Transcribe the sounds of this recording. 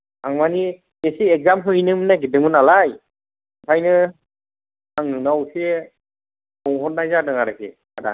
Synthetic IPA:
aŋmani | esieɡ̚zamɦujnɯmɯnaɡidɯŋɯnalaj | pʰajnɯ | aŋnɯnawse | kɔŋɦɔt̚nːajzadɯŋaɾɯkʰḛ | ada̰

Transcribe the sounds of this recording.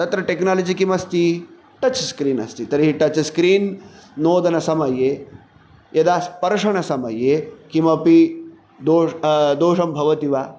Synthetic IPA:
t̪ɐt̪ɾɐʈeknaːlɐd͡ʒikimɐst̪i | ʈɐt͡ʃskɾiːnɐ̰st̪it̪ɐɾiɦiʈɐt͡ʃskɾiːnnoːd̪ɐnɐsɐmɐjeː | jʔɐd̪aːspɐɾʂɐɳɐsɐmɐjeːkimɐpi | d̪oːd̪oːʂɐmbʱɐʋɐt̪iʋaː

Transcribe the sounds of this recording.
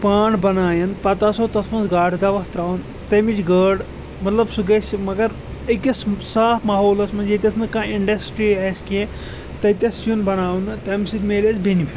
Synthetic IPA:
paːɳbɐnaːjɐnpɐt̪aːsoːt̪ɐsmɐnzɡaːʈʰd̪ɐʋɐst̪ɾaːʋn | t̪ɐmit͡ʃɡəːɽ | mɐt̪lɐbsuɡɐsʲmɐɡɐɾ | ɐkɐssaːfmɐːɦoːlɐsmɐnd͡ʒet̪ʲɐsnɨkãːiɳɖɐsʈɾiɐskiẽ | t̪ɐt̪ʲɐst͡ʃunbɐnaːʋnɨt̪ɐmsit̪ʲmeːlesbinipʰʲi

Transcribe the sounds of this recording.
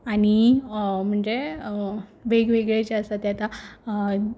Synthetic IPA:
aɽ̃im̤əɳd͡ʑe | ʋeɡʋeɡɭet͡ɕeəsat̪jat̪a

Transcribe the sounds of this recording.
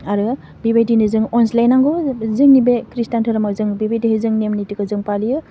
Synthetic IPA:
aɾɯ | bibajdinɯzɯŋɔnslajnaŋɡɔzɯŋnibekɾistantʰɯɾɯmakzɯŋbibajdiɦɯzɯŋnemnitikɯzɯŋpalijɯ

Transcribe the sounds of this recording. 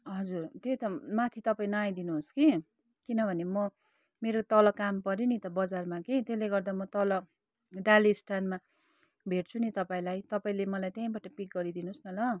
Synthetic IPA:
ɦʌd͡zurt̪et̪ʌmat̪ʰit̪ʌpaĩnʌaj̃d̪inuɦoski | kinʌbʱʌnemʌ | meɾot̪ʌlʌkampʌɾinit̪ʌbʌd͡zarmakit̪eleɡʌrd̪amʌt̪ʌlʌ | ɖalisʈʰanma | bʱeʈt͡sʰunit̪ʌpaĩlajt̪ʌpaĩlemʌlajt̪jaĩbaʈʌpik̚ɡʌɾid̪inuosnʌlʌ

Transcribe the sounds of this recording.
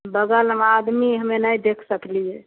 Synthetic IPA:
bəɡəlɦəmad̪miɦəmenajd̪ekʰsəkliɛ

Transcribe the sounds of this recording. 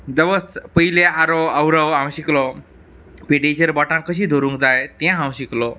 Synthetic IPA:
d̪əʋəspəɦileaɾɔəwɾəwãw̃ɕiklɔ | piɖid͡ʑəɾbɔʈãkəɕ̬iːd̪ʱoɾũŋkd͡zajt̪ɛ̃ɦãw̃ɕiklɔ

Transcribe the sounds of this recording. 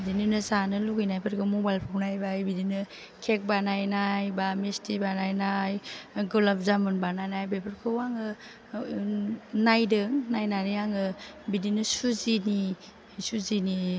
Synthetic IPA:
bidinɯnɯzanɯluɡɯjnajbʰaɾɡɯmobajlpʰawnajbabidinɯ | kʰek̚banajnajbamestʰibanajnajɡolap̚zamɯnbanajnajbepʰɯɾkʰɯwaŋɯ | najdɯŋnajnanijaŋɯ | bidinɯsuzini | suzini

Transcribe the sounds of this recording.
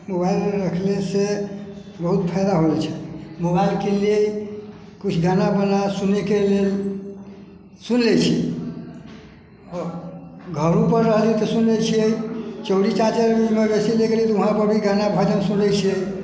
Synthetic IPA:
mobailɾəkʰlese | bəɦut̪̚pʰaɪd̪aɦolt͡ʃʰɛ̥mobailkelie | kut͡ʃʰɡanabənasunekelel | sunlɛt͡ʃʰi | ɔ | ɡʱəɾũpəɾːəɦəlt͡ʃit̪ɔsunlɛt͡ʃʰiəit͡ʃəɾit͡ʃat͡ʃəɾbimebesileɡelit̪ɔuɦãpəɾbʱiɡanabʱad̪əmsunlɛt͡ʃʰiəj

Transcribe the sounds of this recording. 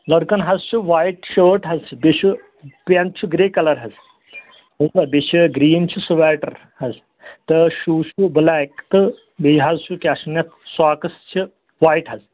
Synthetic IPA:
lɐɽkɐnɦɐzt͡ʃʰuʋaːiʈʃəːʈɦɐzt͡ʃʰibit͡ʃʰu | pɐnt̪̚t͡ʃʰuɡɾeːkɐlɐɾɦɐz | ɦɐzbɐbit͡ʃʰiɡɾiːnt͡ʃʰisuʋɛːʈɐɾ | hɐz | t̪ɨʃuːʃublaːkt̪ɨ | bejɦɐzt͡ʃʰukʲaːʃunjɐt̪ʰsaːkɐst͡ʃʰi | ʋaːiʈɦɐz

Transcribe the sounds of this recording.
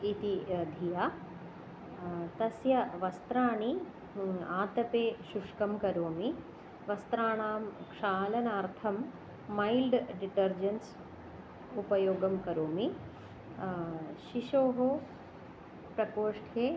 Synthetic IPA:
it̪iɐd̪ʱijaː | t̪ɐsjɐʋɐst̪ɾaːɳi | aːt̪ɐpeːʃuʂkɐmkɐɾoːmi | ʋɐst̪ɾaːɳaːmkʂaːlɐnaːɾt̪ʰɐmː | ɐjlɖɖiʈɐɾd͡ʒɐns | upɐjoːɡɐmkɐɾoːmi | ʃiʃoːɦo | pɾɐkoːʂʈʰeː

